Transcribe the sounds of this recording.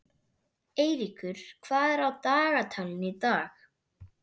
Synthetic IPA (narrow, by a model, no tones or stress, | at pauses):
eːjɾikʏɾ̥kʰv̥aːðɛɾawt̪aːɣat̪ʰalɪnit̪aːx